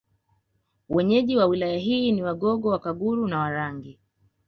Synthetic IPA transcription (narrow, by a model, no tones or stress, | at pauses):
wʔɛɲɛʄiwawilajaɦiːniwaɠɔɡɔwakaɡuɾunawaɾaŋɡi